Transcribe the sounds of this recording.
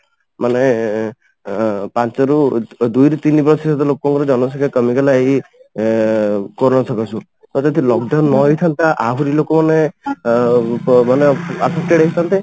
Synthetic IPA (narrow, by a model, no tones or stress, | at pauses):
mane | pant͡ʃɔɾud̪ujɾɔt̪inipɾɔtʰisɔt̪ɔlokɔŋkɔɾɔd͡ʒɔnɔsɔkʰekɔmikalaeɦi | kɔɾnɔsʰɔkɔsʰũ | t̪ɔt̪ɔt̪ʰilɔɡɖawnːɔɦjt̪ʰant̪aʔaɦuɾilokɔmane | maneapʰek̚ʈeɖɽekʰit̪ʰant̪e